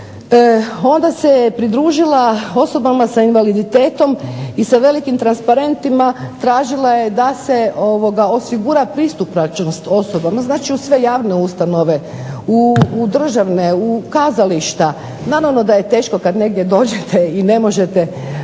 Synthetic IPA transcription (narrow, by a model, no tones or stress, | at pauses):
o̞nd̪asejpɾid̪ɾuːʒilˠao̞so̞bamasainʋalid̪it̪eːt̪o̞misaʋe̞likimt̪ɾanspaɾe̞nt̪imat̪ɾaːʒilaje̞d̪aseo̞ʋo̞ɡao̞siɡuɾapɾist̪upnat͡ʃnost̪o̞so̞bamaznaːt͡ʃiusʋe̞jaːʋne̞ust̪ano̞ʋe̞ | ud̪r̩ʒaʋneukaːzaliʃt̪a | naɾaʋno̞d̪aje̞t̪e̞ːʃko̞kad̪ne̞ɡ̚d̪je̞d̪o̞ːd͡ʑet̪ʰeine̞mo̞ʒe̞t̪e